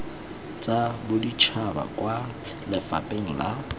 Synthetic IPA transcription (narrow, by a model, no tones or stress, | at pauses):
t͡sʼabʊdit͡ʃʰaba̰kʼwalɪfa̰pʼeŋ̩la